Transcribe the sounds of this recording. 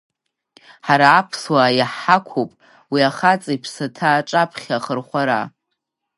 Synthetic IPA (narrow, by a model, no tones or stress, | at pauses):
ħaɾaːpʰswajaħakʷʰopʼ | wiaχat͡sʼipʰsatʰaːʈ͡ʂʼapʰχʲaχərχʷaɾa̰